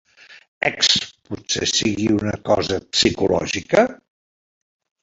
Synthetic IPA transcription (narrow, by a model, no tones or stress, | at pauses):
ɛksputsesiɣiunəkɔzəpsikulɔ̰ʒikə